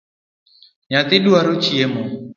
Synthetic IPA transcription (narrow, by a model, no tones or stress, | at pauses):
ɲat̪ɪɗuaɾot͡ʃiɛmɔ